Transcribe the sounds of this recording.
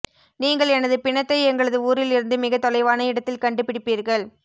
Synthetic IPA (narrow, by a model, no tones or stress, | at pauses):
niːŋɡɐɭɛnɐðɯpɪɳɐt̪ːɐɪɛŋɡɐɭɐðɯuːɾɪlɪɾɯnd̪ɯmɪɣɐt̪ːɔlɐɪʋaːnɐɪɽɐt̪ːɪlkɐɳɖɯpɪɽɪpːiːɾɣɐɭ